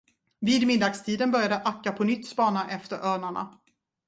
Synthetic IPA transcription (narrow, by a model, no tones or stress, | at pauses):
viːd̪mɪd̪ːɑːɡst̪ʰiːd̪ənbœɾjad̪əʔakːapʰɔnʏt̪ːspɑːnaʔɛft̪əɾʔœːɳaɳa̰